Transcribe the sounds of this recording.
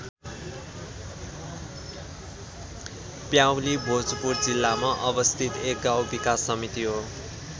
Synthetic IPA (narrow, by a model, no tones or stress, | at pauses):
pjawlibʱod͡zupurd͡zilːamaʔʌbʌst̪ʰit̪ek̚ɡawbikasːʌmit̪iɦo